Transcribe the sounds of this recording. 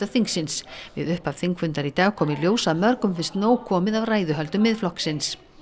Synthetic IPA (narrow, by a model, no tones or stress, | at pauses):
aθiŋksɪnsvɪ̰ðʏhpav̥θiŋkfʏnt̪aɾit̪aːɣkʰɔːmɪljoːwsaðmœɾkʏmfɪn̥st̪noːwkʰɔːmɪðavraːjðʏɦœlt̪ʏmːɪðflɔhksɪns